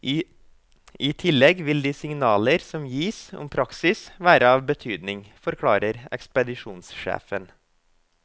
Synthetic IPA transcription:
iːt̪ʰɪlɛɡʋɪld̪iːsɪŋnɑːləɾsɔmjiːsɔ̰mpʰɾɑksɪsʋæːɾəɑːʋbət̪ʰyːd̪nɪŋfɔɾkʰɽɑːɾəɾɛ̰kspəd̪ɪʂuːnsʃḛːfən

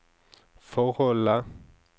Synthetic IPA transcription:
fɔɣɔla

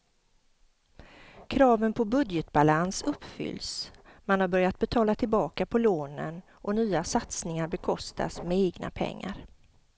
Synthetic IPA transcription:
kʰɾɑːvənpʰɔbɵd̪jɛt̪balansɵpːfʏ̰lːsmanhaɾbœɾjat̪̚bɛt̪ʰɑːlat̪ʰɪlbɑːkapʰɔloːnə̰n | ʔɔnyːasat̪snɪŋaɾbɛkʰɔst̪ʰa̰smɛeːɡna̰pʰɛ̰ŋːa̰ɾ

